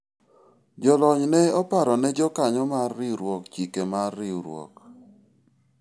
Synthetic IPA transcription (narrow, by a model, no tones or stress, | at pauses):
d͡ʒɔlɔɲnɛɔpaɾɔnɛd͡ʒɔkaɲɔmarːɪɾwɔkt͡ʃikemarːɪuɾwɔ̰k